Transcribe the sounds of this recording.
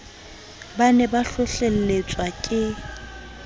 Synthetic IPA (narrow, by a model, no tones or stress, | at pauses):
banɛbaɬʊɬel̩let͡sʼwakʼɪ